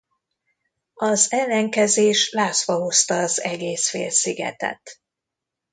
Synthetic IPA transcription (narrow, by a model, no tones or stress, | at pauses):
ɒzɛlːɛŋkɛzeːʃlaːsʋɒɦo̞st̪ɒːzɛɡeːsfḛːlsiɡɛ̰t̪ɛ̰t̪